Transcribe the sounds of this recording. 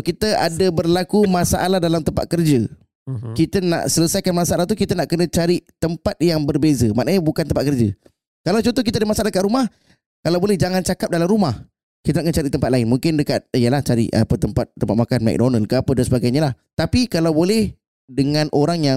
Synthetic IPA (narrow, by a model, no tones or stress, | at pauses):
kit̪əʔadəbərlakumãsaʔalahdalamt̪əmpa̰t̪̚kərd͡ʒə | kit̪əna̰ʔsələsajkanmasaʔalaht̪̬ukit̪anaʔkənə̃t͡ʃaɾit̪əmpat̪̚jaŋbərbezəma̰ʔnaɲabukant̪əmpat̪̚kərd͡ʒa | kalawt͡ʃɔont̪ɔhk̬it̪adəmasaladəkaʔ̪ɾumah | kalawbolɛhd͡ʒaŋant͡ʃakap̚dalamɾumah | kit̪anaʔkənət͡ʃaɾiʔt̪əmpat̪̚laɪnmũŋkɪndəkat̪̚jəlaht͡ʃaɾḭʔa̰pət̪əmpat̪̚ːəmpat̪̚makanmɛ̰k̚donəlkəapədansəbaɡajɲalah | t̪apikalawbolɛh | dəŋãnʔoɾaŋja